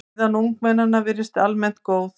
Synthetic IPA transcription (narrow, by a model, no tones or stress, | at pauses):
ðanːuŋk̚mɛnːanavɪɾɪst̪almɛn̥t̪koːwθ